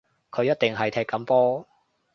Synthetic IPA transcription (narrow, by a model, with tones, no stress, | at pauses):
kʰɵ˨˧ɥjɐ˥t̚t̪ɪ˨ŋɦɐ˨jt̪ʰɛː˧kːɐ˨˧mpɔː˥